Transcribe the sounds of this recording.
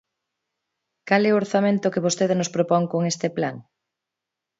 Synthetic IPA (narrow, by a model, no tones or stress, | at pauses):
kalɛooɾθamẽnt̪ʊkeβost̪eðɪnospɾopɔŋkoŋest̪eplaŋ